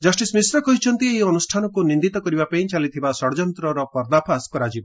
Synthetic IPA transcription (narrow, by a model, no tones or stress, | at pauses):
d͡ʒɔsʈismisɾɔkɔɦit͡ʃʰɔnt̪ieɔnusʈʰanɔkunĩnd̪it̪ɔkɔɾibapaĩt͡ʃalit̪ʰibasɔɽd͡ʒɔnt̪ɾɔɾɔpɔɾd̪apʰaskɔɾad͡ʒibɔ